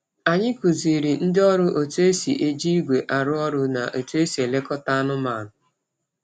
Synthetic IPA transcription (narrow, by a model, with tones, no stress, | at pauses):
a˨ɲɪ˦ku˨zi˨ɾi˨n̩˦dɪ˦ɔ˦ɾʊ˦ʔo˨to˦e˦si˨ʔe˦d͡ʒi˦i˦ɡʷe˨ʔa˨ɾʊ˦ɔ˦ɾʊ˦na̰˨ʔo˨to˦e˦si˨e˨le˦kɔ˦ta˦a˦nʊ˦ma˨nʊ˨